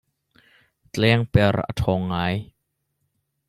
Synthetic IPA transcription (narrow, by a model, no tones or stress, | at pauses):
t͡ɬlɛːŋpɛra̰t̪ʰɔːŋːaːj